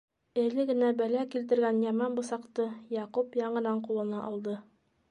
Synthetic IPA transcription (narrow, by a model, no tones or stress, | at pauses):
ɘ̆lɘɡɘ̆næbælækilt̪̬ɘ̆ɾɡænjɑmɑnbŏsɑqt̪ɤjɑqupjɑɴɤ̆nɑɴqulˠɤ̆nɑʔɒlˠd̪ɤ